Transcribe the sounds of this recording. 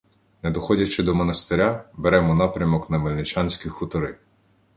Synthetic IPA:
nɛd̪ɔxɔdʲɐt͡ʃɪd̪ɔmɔnɐst̪eɾʲabeɾɛmɔnɑpɾʲɐmɔknɐʋɐlʲnɪt͡ʃɑnʲsʲkʲixʊt̪ɔɾɪ

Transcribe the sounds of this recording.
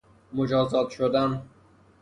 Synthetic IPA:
mod͡ʒɒːzɒːt̪ʃod̪æn

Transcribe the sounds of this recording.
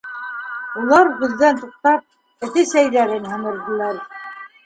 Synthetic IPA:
ulˠɑɾʁʉðːænt̪uq̚t̪ɑp̚ | ɘ̆θɘsæjðæɾɘnɦɤ̆mɤ̆ɾd̪ɤ̆lˠɑɾ

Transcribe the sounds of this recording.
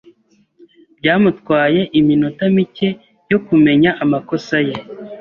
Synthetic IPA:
b̥ɟaːmutkwaːje̞ʔiminotamice̞ | jo̞kume̞ɲaʔamako̞saje

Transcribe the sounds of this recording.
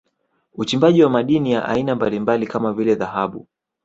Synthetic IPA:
ut͡ʃimbaʄiwamaɗinijaʔa̰inambalimbalikamavilɛðahaɓu

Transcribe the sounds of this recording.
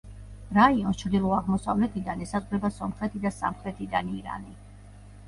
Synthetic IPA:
ɾaiɔnst͡ʃʰɾd̪ilˠɔaʁmɔsavlɛt̪ʰid̪anɛsazʼqʼɾɛbasɔmχɾɛt̪ʰid̪asa̰mχɾɛt̪ʰid̪aniɾa̰ni

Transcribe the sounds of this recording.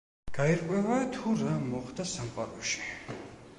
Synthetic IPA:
ɡ̥aiɾqʼwɛvat̪ʰuɾamɔχd̪asamqʼa̰ɾɔʃi̥

